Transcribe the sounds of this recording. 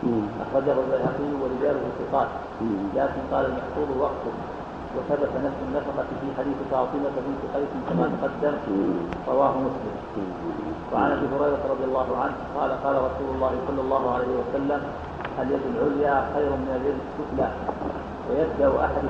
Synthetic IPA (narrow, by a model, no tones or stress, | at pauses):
ʔa̰xɾˤɑd͡ʒʔbʊlbajhaqɪjːwaɾɪd͡ʒaːlʊhʊsɪqɑːt̪ | laːkɪnqɑːlalmɑħt̪ˤuːd̪ˤʊwɑqt̪ʊh | waθabat̪anafsʊnːafɑqɑfiːħad̪iːθfɑːt̪ˤɨmafabiːnt̪ɪqɑjsɪnkamaːd̪qɑd̪ːamɾˤɑwaːɦʊmʊslɪm | waʕanʔabiːɦʊɾˤɑjɾˤɑɾˤɑd̪ˤɪjɑlˤːɑːɦʊʕanhqɑːlaqɑːlaɾˤɑsuːlʊlˤːɑːhɪsˤɑlːɑlˤːɑːɦʊʕalajhɪwasalːam | haljad̪ɪlʕʊljaːxajɾʊmɪnaljad̪ɪskːʊk̪laː | wajabd̪aʕʊʔa̰ħad̪